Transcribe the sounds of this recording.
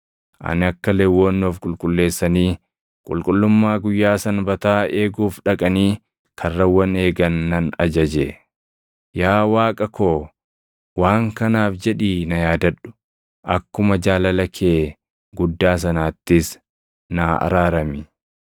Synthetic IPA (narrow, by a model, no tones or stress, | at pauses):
ʔɐ̰nɪɐkːɐlɛwːoːnːoːfkʼʊlkʼʊlːe̞ːsːɐniː | kʼʊ̰lkʼʊlːʊmːaːɡʊjːaːsɐnbɐt̪aːe̞ːɡuːfᶑɐkʼɐniː | kʰɐrːɐwːɐne̞ːɡɐnːɐnɐd͡ʒɐd͡ʒe | jaːwaːkʼɐkoː | waːŋkɐnaːfd͡ʒɛᶑiːnɐjaːd̪ɐᶑʊ̥ | ʔɐkːʊmɐd͡ʒaːlɐlɐkʰeː | ɡʊd̪ːaːs̬ɐnaːt̪ːɪs | naɐ̰ɾaːɾɐmɪ